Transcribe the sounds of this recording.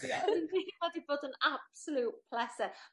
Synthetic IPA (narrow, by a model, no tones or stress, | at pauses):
inimadiboːdənab̥səlˠut̚pʰlɛsɛ